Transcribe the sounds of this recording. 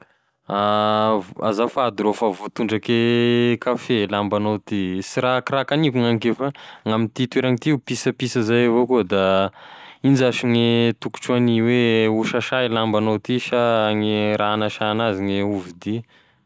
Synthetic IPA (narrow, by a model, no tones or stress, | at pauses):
ava̰zafaad̪iɾofavot̪uɳɖ͡ʐakekafelambanowt̪isiɾakirakanikuŋaŋikefaŋamint̪it̪weɾaŋit̪iupisəpisəzajavokuəd̪a | ind͡ʒaʃiŋet̪uku̥ʈ͡ʂuaniweuʃaʃajlambanowt̪iʃaŋeɾʔaanaʃanaziŋeuvid̪i